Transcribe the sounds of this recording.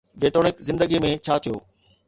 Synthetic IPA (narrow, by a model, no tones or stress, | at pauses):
beːt̪oːɽɪkzɪ̃nd̪əɡimẽt͡ɕʰaːt̪ʰijo̰ː